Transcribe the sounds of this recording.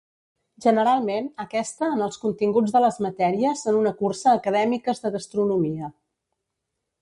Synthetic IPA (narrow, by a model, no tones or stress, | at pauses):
ʒənəɾalˠmenəkɛst̪əːnəlˠskunt̪iŋɡud͡zðələzmət̪ɛɾiəsonunəkursəːkəðɛmikəzðəɣəst̪ɾunumiə